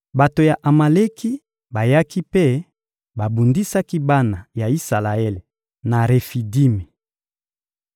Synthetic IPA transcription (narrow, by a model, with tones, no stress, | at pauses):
ba˨to˨ja˨ʔa˨ma˨le˦ki˦ | ba˨ja˦ki˦pe˦˨ | ba˨bu˨ndi˦sa˦ki˦ba˦na˨ja˨i˦sa˨la˨e˦le˨ | na˨ʁe˨fi˨di˦me˨